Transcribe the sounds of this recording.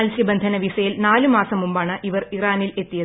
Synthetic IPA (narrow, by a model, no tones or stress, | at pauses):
ɐlsibɐnd̪ʱɐnɐʋisɐjilnaːlumaːsɐmumbaːɳɨʔiʋɐriraːnile̞t̪ːijɐ